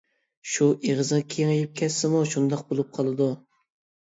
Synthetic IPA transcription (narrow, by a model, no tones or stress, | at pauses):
ʃuʔeʁəznkʲʰeŋejip̚kʲʰɛsːɪmuʃund̪ɑq̚bolˠup̚qʰɑlˠɨd̪u